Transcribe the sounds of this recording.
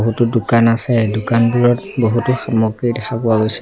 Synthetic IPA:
ɦutʊdukanasɛdʊkanbuɹɔtboɦutʊxamɔɡɹidɛxʰapʊaɡojs

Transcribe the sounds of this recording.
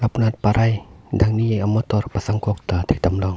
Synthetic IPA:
lapnat̪̚paɾʔajdaŋniːjaŋʔamːat̪oɾpasaŋkok̚t̪at̪ʰit̪amlɔŋ

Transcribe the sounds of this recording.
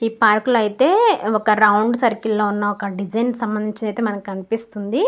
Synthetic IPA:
iːpaːɾkulɐjit̪e̞ːɔkɐɾɐwɳɖsɐɾkilːoːunːɐɔkɐɖid͡ʒɐjnsɐmbɐnd̪iɲt͡ʃɐnɐjt̪e̞ːmɐnɐmkkɐnipist̪und̪i

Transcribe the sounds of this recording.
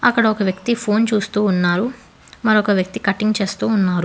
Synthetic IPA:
ɐkːɐɽɐɔkɐʋjɐkt̪ipʰo̞ːnt͡ʃuːst̪uːnːaːɾu | mɐɾɔkɐʋjɐk̚t̪ikɐʈiŋɡt͡ʃe̞ːst̪uːnːaːɾu

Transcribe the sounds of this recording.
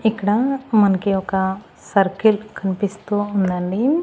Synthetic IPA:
ikɽamənkeoka | səɾkilkʰənpist̪uũnd̪aɳɖim

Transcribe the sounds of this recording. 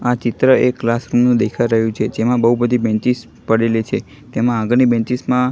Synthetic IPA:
at͡ʃɪt̪ɾəeklasɾumnũd̪ekʰaɾəɦjũt͡ʃʰed͡ʒemãbəɦubəd̪ʱibɛ̃nt͡ʃis | pəɽelit͡ʃʰe | t̪emããɡnibɛ̃t͡ʃismã

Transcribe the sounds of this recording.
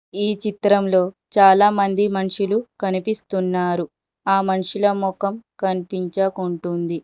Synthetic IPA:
iːt͡ʃit̪ɾɐmlo̞ː | t͡ʃaːlaːmɐnd̪imɐnʂilukɐnipist̪unːaːɾu | aːmɐnʂilɐmɔkɐmkɐnipiɲt͡ʃɐkuɳʈund̪i

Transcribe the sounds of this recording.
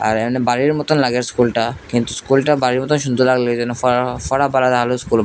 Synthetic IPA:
a̰ɾɛmanebaɾiɾmɔt̪onlaɡeɾskulʈakint̪uskulʈabaɾiɾmɔt̪onʃ̬und̪ʱolaɡled͡ʑɛnːofɔfɔɽabalad̪aɦaloskulb

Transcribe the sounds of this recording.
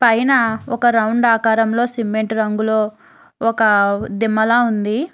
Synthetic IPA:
pɐjnɐɔkɐɾɐwuɳɖaːkaːɾɐmlo̞ːsimːeɳʈɾɐŋɡulo̞ː | ɔkɐd̪imːɐlaːund̪i

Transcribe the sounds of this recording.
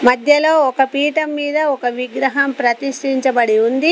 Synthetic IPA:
mɐd̪ʱjɐlo̞ːɔkɐpiːʈɐmːiːd̪ɐɔkɐʋiɡɾɐɦɐmpɾɐt̪iʂʈiɲt͡ʃɐbɐɽiund̪i

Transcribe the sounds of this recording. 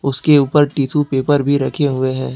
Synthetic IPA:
ʊskeuːpəɾʈiːtʰupeːpəɾbʱiɾɐkʰeɦʊeɦɛ̃ː

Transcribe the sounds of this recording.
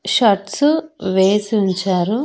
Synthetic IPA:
ʃɐʈsuʋeːsiuɲt͡ʃaːɾu

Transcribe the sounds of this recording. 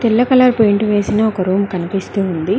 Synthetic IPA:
t̪ilːɐkɐlaːɾpojɳʈuʋe̞ːsinɐːɔkɐɾuːmkɐnipist̪uːund̪i

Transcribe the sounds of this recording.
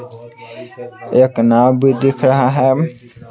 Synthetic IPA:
eːknaːmbid̪ɪkʰɾəɦaɦɛː

